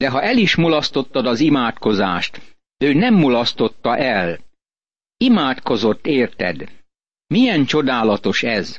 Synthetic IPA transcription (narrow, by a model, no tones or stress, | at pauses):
d̪̥ɛɦɒʔɛliʃmulɒst̪o̞t̪ːɒd̪ɒzimaːt̪ko̞zaːʃt̪ | øːnɛmːulɒst̪o̞t̪ːɒʔɛl | imaːt̪ko̞zo̞t̪ːeːrt̪ɛ̰d̪ | mijɛnt͡ʃo̞d̪aːlɒt̪o̞ʃɛz